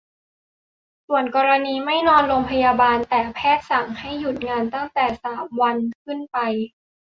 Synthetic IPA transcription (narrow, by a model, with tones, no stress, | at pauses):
su˨˩ənkɔː˧ɾa˧niː˧ma˥˩jnɔː˧nɾoː˧ŋpʰa˧jaː˧baː˧nt̪ɛː˨˩pʰɛː˥˩t̪̚sa˨˩˦ŋha˥˩jːu˨˩t̪̚ŋaː˧nt̪a˥˩ŋt̪ɛː˨˩saː˩˦mwa˧nkʰɯ˥˩npa˧j